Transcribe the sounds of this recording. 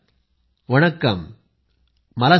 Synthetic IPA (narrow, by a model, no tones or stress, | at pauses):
ʋɐɳɐkːɐm | ɐlɐ